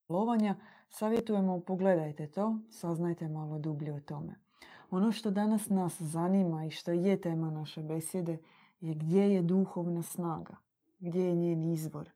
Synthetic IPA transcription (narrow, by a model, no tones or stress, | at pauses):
loʋaɲasaːʋje̞t̪uje̞mo̞po̞ɡle̞d̪ajt̪e̞t̪o̞ːsaznajt̪e̞malˠod̪ubʎeut̪o̞me̞̰ | o̞no̞ʃt̪o̞d̪anasnaszanimaiʃt̪o̞je̞t̪e̞ːmanaʃe̞be̞sje̞d̪e̞ | jeɡd̪je̞je̞d̪uxo̞ʋnasnaːɡa̰ | ɡd̪jejeɲeːniizbo̞̰ɾ